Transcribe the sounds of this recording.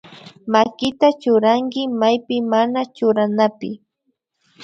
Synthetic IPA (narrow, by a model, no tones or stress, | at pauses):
makɪt̪at͡ʃʊɾaŋkɪmajpɪmanat͡ʃʊɾanapɪ